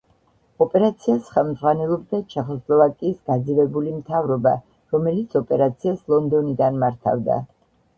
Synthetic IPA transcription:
ɔpʼɛɾat̪sʰiasχɛlˠmd̪zʁwanɛlˠɔbd̪at͡ʃʰɛχɔslˠɔvakʼiːsɡ̥ad̪zivɛbulimt̪ʰavɾɔba | ɾɔmɛlit̪sʰɔpʼɛɾat̪sʰiaslˠɔnd̪ɔnid̪anmaɾt̪ʰa̰vd̪a̰

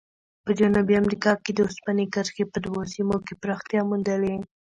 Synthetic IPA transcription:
pəd͡ʒanubiamɾikɑked̪əʊspanekəɾxepəd̪wosimokepɾɑxt̪jɑmund̪əle

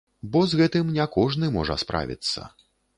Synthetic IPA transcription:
bɔzɣɛt̪ɨmnʲɛkɔʐnɨmɔʐɐ̰spɾʔa̰vʲḭt̪sːɐ̰

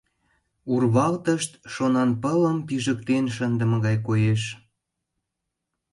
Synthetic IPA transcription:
urβɑlt̪əʃt̪ʃonɑnpələmpiʒəkt̪enʃ̬ənd̪əməɣɑjkojeʃ

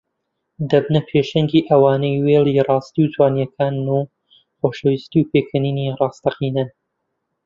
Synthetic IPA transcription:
d̪ɐbnɐpʰeʃɐŋɡiːʔɐwaːnɐjweːlˠirˤɑːst̪iwt̪waːnjɛkʰaːnːu | χoːʃɐwist̪iwpeːkʰɐniːnirɑːst̪ɐqiːnɐ

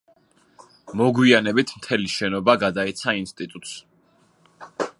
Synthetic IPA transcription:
mɔɡwianɛbit̪ʰmt̪ʰɛliʃɛnɔbaɡad̪ait̪sʰainst̪ʼit̪ʼut̪ʼs

